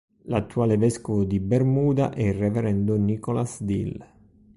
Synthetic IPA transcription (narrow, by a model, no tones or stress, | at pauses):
lat̪ːuaːlevɛskovʊd̪ibermuːd̪a̰ʔɛirɛvɛɾɛnd̪ʊnikɔlasd̪ḭl